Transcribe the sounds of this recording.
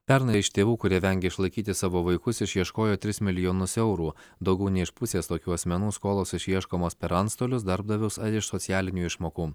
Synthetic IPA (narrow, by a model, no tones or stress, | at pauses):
pʲɛɾnɐɪɪʃt̪ʲeːʋuːkʊɾʲiɛʋʲɛŋʲɡʲɛɪʃlˠɐɪkʲiːt̪ʲɪsɑːʋoːʋɐɪkʊsɪʃʲjiɛʃkoːjoːt̪ʲɾʲɪsmʲɪlʲɪjoːnʊsɛʊɾuːd̪ɒʊɡʲɛʊnʲɛɪʃpʊsʲeːst̪oːkʲuːɐsʲmʲɛnuːskoːlˠoːsɪʃʲiɛʃkoːmoːspʲɛɾɐnt̪st̪oːlʲʊs̬d̪ɐɾb̚d̪ɐʋʲɛʊsɐɪʃsɔt̪sʲɪjæːlʲɪnʲuːɪʃmoːkuː